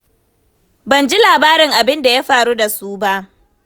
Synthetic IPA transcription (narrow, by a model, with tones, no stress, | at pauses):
bɐ˨nd͡ʒi˦laː˨baː˦ɾɪ˨ŋʔa˨bɪ˦nda˨ja˦ɸaː˨ɽu˦da˨suː˦ba˦ʔ